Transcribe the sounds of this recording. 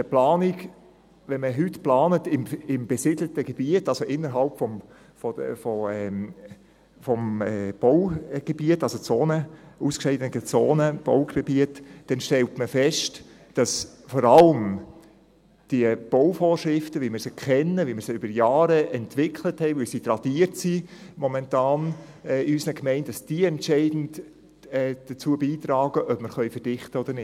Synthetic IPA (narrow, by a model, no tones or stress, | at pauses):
əplɑːniɡ | ʋɛnməɦʏtplɑːnətɪmɪmb̥esɪd̥lətəɡ̥eb̥iətɑlsoʔɪnːəɾɦɑlpfɔm | fɔfɔɛ | fɔmɛb̥ɔwɡ̥ebiətːɑlsot͡soːnəuskʃɛɪdənkət͡soːnəb̥ɔʊɡeb̥iətːd̥ɛnʃtɛltməfɛʃt | d̥ɑs | fɔɾɑləm | d̥iəb̥ɔwfoːrʃɾɪftəʋimɪɾsəkʰχɛnːəʋimɪɾsəybəɾjɑːɾəʔɛntʋɪkʰləthɛɪvɪlsitrɑd̥iərtsimɔmɛntɑːn | ɛɪysnəkmɛɪntd̥ɑsd̥iəɛntt͡ʃɛɪdn̩t | ɛːd̥ət͡suəbiːt̪ɾɑːɡ̥əʔœpməɾχœʏfəd̥ɪχtəɔdəɾnɪ